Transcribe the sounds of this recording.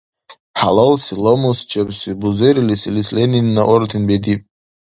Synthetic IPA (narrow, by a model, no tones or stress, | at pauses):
ħalalsilomust͡ʃʰapsibuzeɾilisilisleninːaʔord̪ʰinbed̪ipʼ